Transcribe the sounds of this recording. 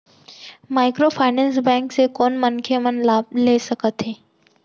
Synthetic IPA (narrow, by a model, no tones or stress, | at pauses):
maːɪkɾopʰaːɪnɛ̃ːns̬bɛ̃ːŋksekɔːnmənkʰemənlaːb̚leːsəkət̪ɦeː